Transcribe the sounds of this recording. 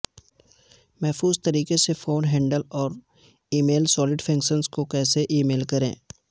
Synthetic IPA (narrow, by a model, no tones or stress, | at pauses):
mɛɦfuːzt̪ɐɾiːkesefʰoːnɦɛ̃ːɳɖəlɔːɾ | iːmeːlsɔːlɪɖfʰɐ̃ŋkʃənzkokɛːseʔiːmeːlkɐɾḛ̃ː